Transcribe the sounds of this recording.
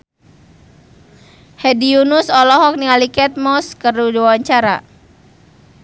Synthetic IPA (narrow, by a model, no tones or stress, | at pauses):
hɛdiunusɔlɔɦɔk̚nialikɛt̪̚mɔskərudiawaɲt͡ʃaɾa